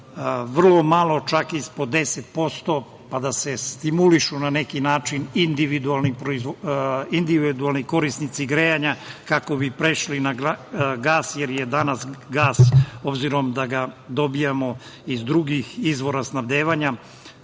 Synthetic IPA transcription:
ʋr̩lˠo̞malˠo̞t͡ʃakispo̞d̪e̞set̪̚po̞st̪o̞ | pad̪ase̞st̪imuliʃunanekinaːt͡ʃinind̪iʋid̪ualˠnipɾoizind̪iʋid̪ualˠniko̞ɾisnit̪siɡɾejaɲakako̞bipɾeʃlinaɡɡaːsjeɾjed̪anasɡaːso̞bziɾo̞md̪aɡad̪o̞bijamo̞ | izd̪ɾuɡixizʋo̞ɾasnabd̪eːʋaɲa

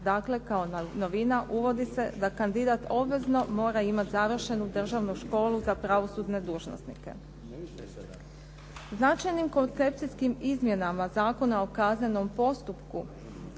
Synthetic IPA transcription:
d̪akle̞kaono̞ʋinaʔuʋo̞d̪ise̞d̪akand̪id̪at̪o̞bʋe̞zno̞mo̞ːɾaimat̪zaʋr̩ʃe̞nud̪r̩ʒaʋnuʃko̞ːluzapɾaʋo̞sud̪ne̞d̪uːʒno̰st̪nike̞̰ | znat͡ʃajnimko̞nt̪se̞p̚t̪siskimizmje̞namazaːko̞nao̞kazɲeno̞mpo̞st̪upku

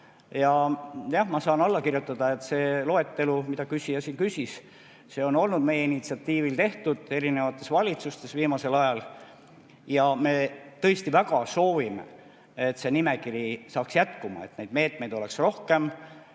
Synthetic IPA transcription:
jɑjɑhmɑsɑːnɑlːɑkirjut̪ːˑɑd̪̥ɑe̞t̪ːse̞ːlo̞e̞t̪ːe̞lumid̪̥ɑkysijɑsiːnkysʲis | se̞ːo̞no̞lnud̪̥me̞jeinit̪siɑt̪ːiːvilt̪e̞ht̪ud̪̥e̞ɾine̞vɑt̪ːˑe̞svɑlʲit̪sust̪e̞sviːmɑse̞lɑjɑl | jɑme̞t̪ɤest̪ivæɡ̥ɑso̞ːvimḛ | et̪ːˑse̞nime̞kiɾisɑːksjæt̪kumɑ̰et̪ne̞jd̪me̞ːt̪me̞jd̪o̞le̞ksro̞hke̞m

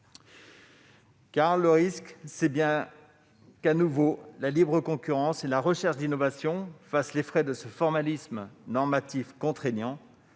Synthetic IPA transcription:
kaʁləʁisksɛbjɛ̃ | kanuvolalibʁəkɔ̃kʲyʁɑ̃selaʁəʃɛʁʃd̪inɔvasjɔ̃faslefχɛd̪əsəfɔʁmalismnɔʁmat̪ifkɔ̃t̪χenjɑ̃

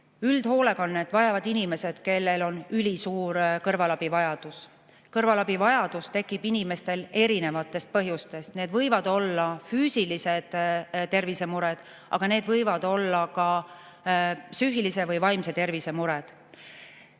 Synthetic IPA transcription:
yld̪̥ho̞ːle̞konːet̪vɑjɑvɑd̪inime̞se̞d̪̥ke̞lːe̞lo̞nylʲisuːɾkɤrvɑlɑb̥ivɑjɑd̪̥us | kɤrvɑlɑb̥ivɑjɑd̪̥ust̪e̞kːˑib̥inime̞st̪e̞le̞ɾine̞vɑt̪ːˑe̞st̪̚pɤɦjust̪e̞st̪ne̞ːd̪vɤjvɑd̪̥o̞lːɑfyːsilised̪̥t̪e̞rvise̞muɾed̪̥ | ʔɑ̰ɡ̥ɑne̞ːd̪vɤjvɑd̪̥o̞lːɑkɑ | syɦilise̞vɤjvɑjmse̞t̪e̞rvise̞muɾɛd̪̥

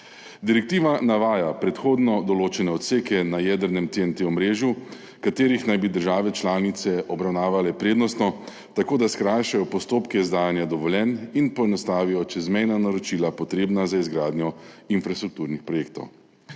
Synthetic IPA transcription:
d̪iɾɛk̚t̪iːʋanaʋaːjapɾɛt̪xoːd̪nɔd̪ɔloːt͡ʃɛnɛɔt̪seːkɛnajɛd̪əɾnɛmt̪eɛnt̪eɔmɾeːʒju | kat̪eːɾixnajbid̪əɾʒaːʋɛt͡ʃlaːnit̪sɛɔbɾawnaːʋalɛpɾeːd̪nɔst̪nɔ | t̪akoːd̪askɾaːjʃajɔpɔst̪oːpkɛizd̪aːjanjad̪ɔʋɔljɛninpɔɛnɔst̪aːʋijɔt͡ʃɛzmɛjnanaɾɔt͡ʃiːlapɔt̪ɾeːbnazaizɡɾaːd̪nʲjɔinfɾast̪ɾuk̚t̪uːɾnixpɾɔjeːk̚t̪ɔ̰w

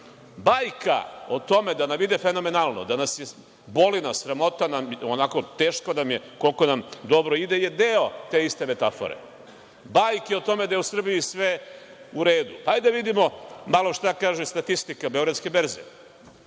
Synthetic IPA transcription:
bajka̰ot̪o̞me̞d̪anamid̪efeno̞me̞nalˠno̞̰d̪anasje | bo̞linasɾamo̞t̪anamonako̞t̪e̞ːʃkonamje̞ko̞lko̞namd̪o̞bɾoid̪ejed̪eot̪e̞ist̪e̞me̞t̪afo̰ɾḛ | bajkjeot̪o̞med̪ajeusr̩bijisʋe | uɾe̞ːd̪upaajd̪aʋid̪imo̞malˠoʃt̪akaːʒust̪at̪ist̪ikabe̞oɡɾad̪skebeɾzḭ

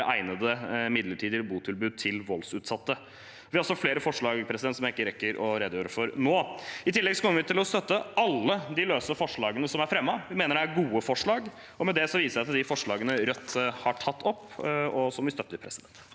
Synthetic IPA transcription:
ʔæɪnəd̪əmɪd̪ləʈʰiːd̪əbuːt̪ʰɪlbʉːd̪̚t̪ʰɪlʋɔlsʉːt̪sɑt̪ːə | ʋɪɔlsɔfleːɾəfɔʂɭɑːɡpʰɾɛsɪd̪ɛnt̪sɔmjæɪkːəɾɛkːəɾʔɔɾeːd̪əjøːɾəfɔɾnoːɪt̪ʰɪlːɛɡsɔkɔməʋɪt̪ʰɪlɔst̪œt̪ːəɑlːəd̪ɪløːsəfɔʂɭɑːɡənəsɔmæɾfɾɛmːɑʋɪmeːnəɖɛæɾɡuːəfɔʂɭɑːɡ | ɔmɛd̪ɛsɔʋiːsəʂɪɑt̪d̪ɪfɔʂɭɑːɡənəɾœt̪ʰːhɑʈʰɑt̪ːɔpːɔsɔmʋɪst̪œt̪ːəɾpʰɾɛsɪd̪ɛnt̪

